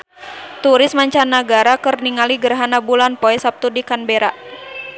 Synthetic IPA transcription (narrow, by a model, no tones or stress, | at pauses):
t̪uɾɪsmaɲt͡ʃanːaɡaɾakɨrniŋaliɡərɦanabulanpoɛsap̚t̪udikanbɛɾaʔ